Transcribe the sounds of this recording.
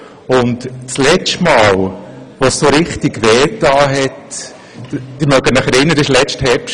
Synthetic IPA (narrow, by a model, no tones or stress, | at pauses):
ʊntt͡slɛt͡ʃtmɑːl | ʋossoɾɪχtikʋɛːtɑːɦɛt | d̥ɪɾmœɡənaχɛɾɪnːədəslɛt͡ʃthɛɾpʃ